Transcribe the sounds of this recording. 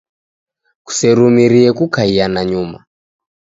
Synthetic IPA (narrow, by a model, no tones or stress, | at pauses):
ku̥sɛɾumiɾiɛkukaianaɲuma̰